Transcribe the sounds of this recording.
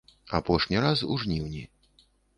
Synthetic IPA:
a̰pɔʂnʲiɾasṵʐnʲiwnʲi

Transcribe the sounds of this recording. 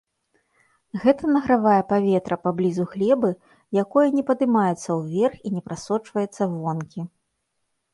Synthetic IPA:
ɣɛt̪ɐnɐɣɾavajɛpavʲɛt̪ɾɐpablʲizuxlʲɛbɨ | jakɔjɐnʲɛpɐd̪ɨmajɛt̪sːɐwvʲɛrxinʲɛpɾʔasɔt͡ʂvɐjɛt̪sːɐvɔnkʲi

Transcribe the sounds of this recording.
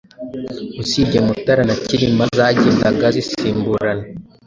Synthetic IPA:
usiɟemutaɾanaciɾimazaɟindaɡazisiːmbuɾana

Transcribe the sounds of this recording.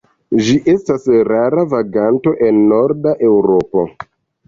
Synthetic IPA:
ʒiʔe̞stasɾaɾavaɡanto̞ʔe̞nːo̞ɾdaʔe̞wɾo̞po̞̰

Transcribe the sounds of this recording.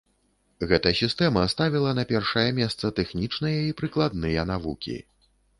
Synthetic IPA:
ɣɛt̪ɐsʲist̪ɛmɐst̪avʲilˠɐnɐpʲɛrʂɐjɐmʲɛst̪sɐt̪ɛxnʲit͡ʂnɨjɐipɾɨklˠad̪̚nɨjɐnavukʲḭ

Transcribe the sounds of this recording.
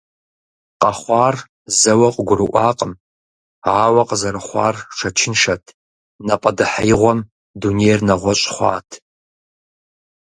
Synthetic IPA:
qɐχʷɑːr | zɐwɐqʼəɡʷʊrɨʔʷɑːqʼəm | aːwɐqʼəzɐɾɨχʷɑ̰ːrʂɐt͡ʃʰɪnʂɐtʰ | nɐpʼɐdɨħajʁʷɔm | duneːjrnɐʁʷɔɕʼχʷɑ̰ːtʰ

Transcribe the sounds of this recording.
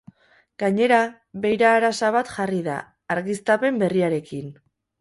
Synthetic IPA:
ɡ̥aɲe̞ɾa | βe̞jɾaːɾasaβ̞at̪ʝariða̰ː | ɾɣist̪ape̞mbe̞riaɾe̞kin

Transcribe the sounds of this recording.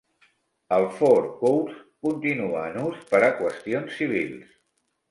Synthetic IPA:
əlˠfoɾkowskunt̪inuaːnuspəɾakwəst̪ionsːiβ̞ilˠs

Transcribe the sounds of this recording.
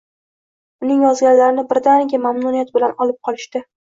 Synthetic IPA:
ʊnɪŋjɒzɡʲanlaɾɪnɪbɾd̪anɪɡʲamamnʊnijat̪bɪlanɒlɪp̚qʰɒlɪʃt̪ɪ

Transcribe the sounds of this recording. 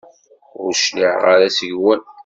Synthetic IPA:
ʊɾʃliʕʁaɾæsəʝwən

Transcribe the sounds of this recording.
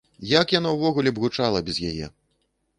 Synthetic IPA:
jakjanɔwvɔɣulʲɛbɣut͡ʂalˠɐbʲɐzjajɛ̰

